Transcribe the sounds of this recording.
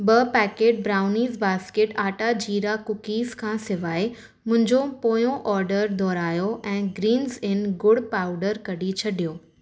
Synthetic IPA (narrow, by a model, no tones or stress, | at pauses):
bɐpɛːkeːʈ̚bɾaːʊniːzbaːskeːʈaːʈad͡ʑiːɾakʊkiːzkʰãːsɪʋaːe | mʊ̃ɦɪ̃ɲd͡ʑopoːjõʔɔːɾɖəɾd̪ʱɔːɾaːjoʔɛ̃ːɡɾiːnzɪnɡʊɽpaːʊɖəɾkɐɗit͡ɕʰɐɗijoː